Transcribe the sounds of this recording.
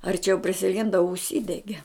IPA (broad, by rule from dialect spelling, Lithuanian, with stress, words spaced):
ɐrʲˈt͡ʃʲɛʊ pʲrʲɪsʲɪˈlʲɪndɐ ʊʃʲˈsʲiːdʲɛɡʲɛ